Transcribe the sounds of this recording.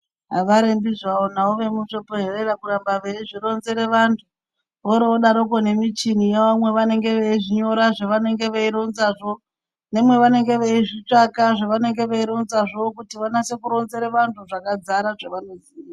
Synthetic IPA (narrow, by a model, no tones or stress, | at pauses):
ɦaʋaɾembizaonaoʋe̞muʃo̞poɦererakuɾambaʋe̞iʐiro̞nze̞ɾeʋantʰu | ʋoɾeoɗaɾokone̞mit͡ʃinijeʋamwe̞ʋane̞ŋɡe̞ʋeiʐiɲo̞ɾaʐeʋane̞ŋɡe̞ʋeiɾo̞nzaʐo̞ | ne̞mwe̞ʋane̞ŋɡe̞ʋeiʐit͡ʂakaʐaʋane̞ŋɡe̞ʋeiɾo̞nzaʐo̞kutiʋanase̞kuɾo̞nze̞ɾeʋantʰuʐakad͡zaɾaʐeʋanozia